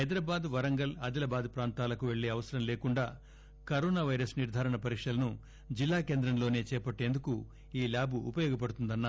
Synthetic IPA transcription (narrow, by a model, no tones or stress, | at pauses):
ɐjd̪ɾaːbaːd̪ʋɐɾɐŋɡɐlɐd̪ilɐbaːd̪pɾaːnt̪aːlɐkuʋe̞ɭːe̞ːɐʋɐsɐɾɐmleːkuɳɖaː | kɐɾoːnaːʋɐjɾɐsniɾd̪ʱaːɾɐɳɐpɐɾikʂʈɐlɐnu | d͡ʒilːaːke̞ːnd̪ɾɐmlo̞ːne̞ːt͡ʃɛːpɐʈːe̞ːnd̪uku | iːlaːbʱuːpɐjɔːɡɐp̬ɐɽut̪und̪ɐnːa